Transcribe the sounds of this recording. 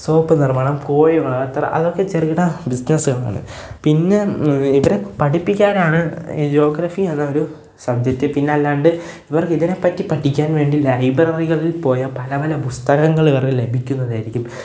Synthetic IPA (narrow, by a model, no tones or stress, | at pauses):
soːpːɨnirmaːɳɐmko̞ːjuŋːɐɭɐt̪ːɐrɐ̰ʔɐ̰ðo̞kːe̞t͡ɕerɣiɽɐbisnɐsuɣɐɭa̰ːɳɨ̰pinːe̞iʋɐɾepɐʈipːikʲːaːɾaːɳɨ̰d͡ʑo̞ːɡrɐfienːao̞ɾu | sɐd̪ʱjɐt̪ːepinːeːlːaːɳɖɨ | iʋɐrkiðine̞pːɐtːipːɐʈʰːikʲːaːnʋe̞ːɳɖilɐjbrɐriɣɐɭilpo̞ːjɐpɐlɐpɐlɐpust̪ɐɣɐŋːɐɭiʋɐrkɨle̞bʱikʲːunːɐðaːjiɾikʲːum